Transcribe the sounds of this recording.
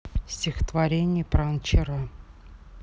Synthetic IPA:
sʲtʲɪxə̥t̪vɐɾʲenʲɪjəpɾant͡ɕɪɾa

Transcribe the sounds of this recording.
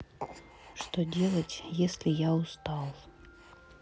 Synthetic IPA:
ʂt̪odʲelˠətʲjesʲlʲɪjaʊst̪ɑlˠ

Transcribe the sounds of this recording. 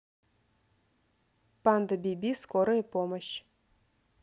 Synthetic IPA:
pand̪əbʲibʲiskoɾoepoməɕ

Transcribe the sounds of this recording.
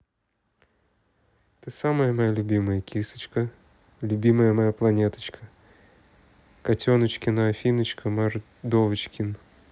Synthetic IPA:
t̪ɨsaməjəmɐjalʲʊbʲiməjəkʲisɨ̥t͡ɕkə | lʲʊbʲiməjəmɐjaplˠɐnʲet̪ə̥t͡ɕkʰə | kɐtʲonət͡ɕkʲɪnəɐfʲinət͡ɕkʰəmar | d̪ovət͡ɕkʲɪn

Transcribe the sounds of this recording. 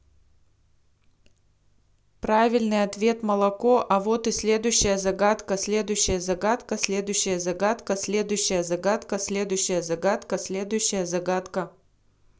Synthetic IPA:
pɾavʲɪlʲnɨjɐt̪vʲe̞t̪məlˠɐko̞ʔɐvo̞t̪ɨsʲlʲe̞d̪ʊjɕːɪjəzɐɡat̪kəsʲlʲe̞d̪ʊjɕːɪjəzɐɡat̪kəsʲlʲe̞d̪ʊjɕːɪjəzɐɡat̪kəsʲlʲe̞d̪ʊjɕːɪjəzɐɡat̪kəsʲlʲe̞d̪ʊjɕːɪjəzɐɡat̪kəsʲlʲe̞d̪ʊjɕːɪjəzɐɡat̪kə

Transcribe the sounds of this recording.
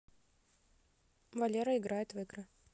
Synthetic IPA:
vɐlʲeɾəɪɡɾajɪt̪vɨɡɾɨ

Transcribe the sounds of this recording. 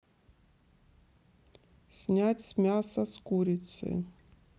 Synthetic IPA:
sʲnʲatʲsʲmʲasɐskuɾʲit̪sɨ̰

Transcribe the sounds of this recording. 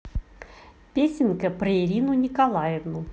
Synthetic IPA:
pʲesʲɪnkəpɾəɪɾʲinʊnʲɪkɐlˠajɪvnʊ

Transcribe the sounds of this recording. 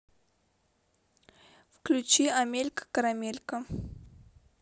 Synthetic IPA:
fklʲʉt͡ɕiɐmʲelʲkə̥kəɾɐmʲelʲkə

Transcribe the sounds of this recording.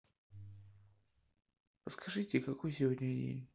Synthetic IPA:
pəskʰɐʐɨtʲɪkɐkojsʲɪvodʲnʲɪʂdʲḛnʲ

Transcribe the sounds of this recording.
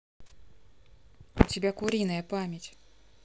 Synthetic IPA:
ʊtʲɪbʲakʊɾʲinəjəpamʲjɪtʲ

